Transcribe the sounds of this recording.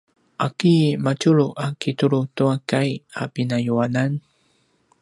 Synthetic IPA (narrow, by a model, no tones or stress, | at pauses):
ʔakimat͡ʃuɭuʔakituɭutuakajapinajuanan